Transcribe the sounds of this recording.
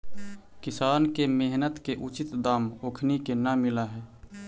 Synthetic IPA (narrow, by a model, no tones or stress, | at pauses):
kɪsaːnkemeɦnət̪keʔʊt͡ʃɪt̪d̪aːmoːkʰnikenamɪlaɦɛː